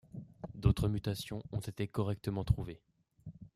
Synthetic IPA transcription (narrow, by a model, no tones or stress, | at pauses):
d̪ot̪χəmyt̪asjɔ̃ɔ̃t̪et̪ekɔʁɛk̚t̪əmɑ̃t̪χuve